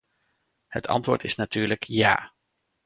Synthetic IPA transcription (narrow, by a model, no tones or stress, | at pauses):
hətʰɑ̰ntʋʊ̰ːɹtɪsnatyːɹləkja̰ː